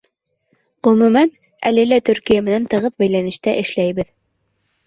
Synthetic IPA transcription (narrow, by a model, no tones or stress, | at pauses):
ʁɵ̆mʉmæn | æ̰lɘlæt̪ɵɾkijæmɘ̆nænt̪ɤ̆ʁɤðbæjlænɘ̆ʃt̪æʔɘ̆ʃlæjbɘð